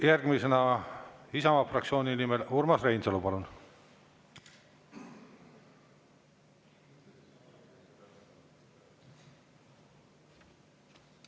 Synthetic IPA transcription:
jærɡ̥misenɑ | isɑmɑfrɑk̚t͡ssio̞ːnʲinimelurmɑsre̞jnselupɑlun

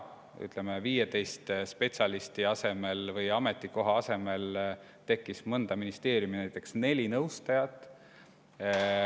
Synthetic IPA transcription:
y̰t̪ˑlemeviːjet̪e̞jst̪spe̞tsʲɑlist̪iɑse̞me̞lvɤjɑme̞t̪ˑːiko̞ɦɑɑse̞me̞l | t̪e̞kːismɤnd̪̥ɑminist̪e̞ːɾjuminæjt̪ːˑe̞ksne̞lʲinɤwst̪ɑjɑt̪ːˑ

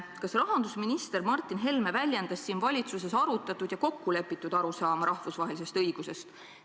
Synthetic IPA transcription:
kɑsrɑɦɑnd̪usminist̪e̞ɾmɑrt̪ːˑinɦe̞lmevælʲjend̪̥ɑsːiːnvɑlʲit̪suse̞sɑɾut̪ːˑɑt̪ːˑud̪̥jɑko̞kːule̞pːˑit̪ːˑud̪̥ɑɾusɑːmɑɾɑhvusvɑɦe̞lise̞st̪ɤjɡ̥use̞st̪

